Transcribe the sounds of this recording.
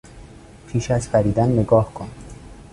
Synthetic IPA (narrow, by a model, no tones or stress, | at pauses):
pʰiːʃæzfæɾiːd̪ænːeɡɒːhkʰon